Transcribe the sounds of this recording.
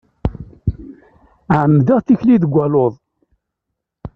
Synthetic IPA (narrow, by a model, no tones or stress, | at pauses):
ʕəmːðəʁθiçliðəɡʷːæloðˤ